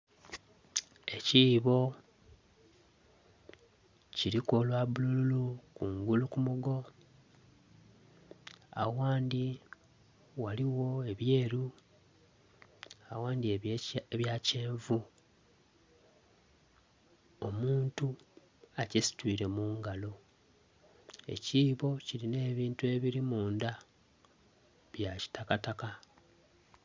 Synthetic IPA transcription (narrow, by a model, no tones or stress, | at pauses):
e̞ciːβo̞ | ciɾiko̞lwaβulululukuŋɡulukumuɡo̞ | a̰waːndi | waliwo̞e̞βje̞ːɾu | awaːndieβjace̞ːɱvu | o̞muːntu | acesi̥twiːɾe̞muːŋɡalo̞ | e̞̰ciːβo̞ciline̞ːβiːntue̞βiɾimuːnda | βjaci̥takataka